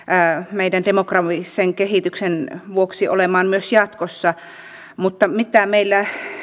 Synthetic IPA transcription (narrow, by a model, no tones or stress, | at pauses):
meidændemokrɑʋisːeŋkehit̪yksenʋuoksiʔo̰lemɑːnmyøsjɑt̪kosːɑ | mut̪ːɑmit̪æmeilːæ